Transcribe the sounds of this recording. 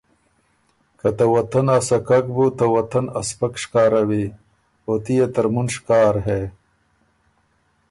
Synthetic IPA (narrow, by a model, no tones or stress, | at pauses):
kɐt̪awɐt̪ɐnasakak̚but̪ɐwɐt̪ɐnɐspɐkʂkaːɾɐwi | ot̪ijet̪ɐɾmunʂkaːɾɦe